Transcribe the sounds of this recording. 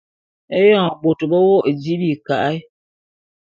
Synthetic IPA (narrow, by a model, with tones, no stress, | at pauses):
e˦jɔ˦˨ŋ˨bo˨tɨ˨bɔ˦wo˦ʔd͡ʒi˦bi˨ka˨ʔa˦i˦